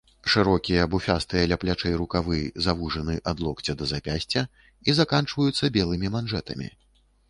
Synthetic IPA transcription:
ʂɨɾɔkʲijɐbufʲast̪ɨjɐlʲaplʲat͡ʂɛjɾukavɨjzavuʐɐnɨʔɐd̪lˠɔkt͡sʲɐd̪ɐzapʲasʲt͡sʲɐ | izakant͡ʂvɐjut̪sːɐbʲɛlˠɨmʲimanʐɛt̪ɐmʲḭ

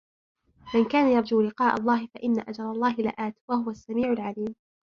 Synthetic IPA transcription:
mankaːnajɑɾˤd͡ʒuːlɪqɑːʔa̰lˤːɑːhɪfaʔɪnːaʔad͡ʒɑɾˤɑlˤːɑːɦɪlɪ̰ʔaːt̪wahʊwasːamiːʕʊlʕaliːm

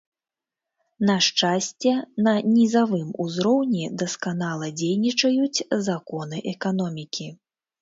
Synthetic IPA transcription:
nɐʂt͡ʂasʲt͡sʲɛnɐnʲizavɨmṵzɾɔwnʲid̪ɐskanalˠɐd͡zʲejnʲit͡ʂɐjut͡sʲzakɔnɨʔɛkan̪ɔmʲikʲi

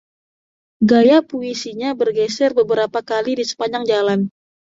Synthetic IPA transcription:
ɡajapuisiɲabərɡɛsɛrbəbəɾapakalidisə̥paɲaŋd͡ʒalan

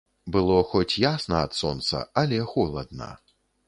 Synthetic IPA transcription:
bɨlˠɔxɔt͡sʲjasnɐɐt̪sɔnt̪sɐ̰ɐlʲɛxɔlˠɐd̪̚nɐ̰

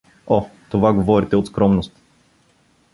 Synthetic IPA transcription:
ɔt̪ovaɡovɔɾit̪ɛot̪skɾɔmnost̪

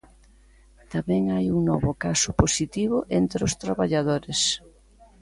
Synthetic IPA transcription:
t̪amɛŋajuŋnɔβʊkasʊposit̪iβʊʔent̪ɾʊst̪ɾaβaʎaðoɾɪs

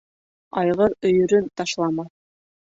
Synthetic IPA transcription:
ɑjʁɤɾɵ̆jɵ̆ɾɵnt̪ɑʃlˠɑmɑ

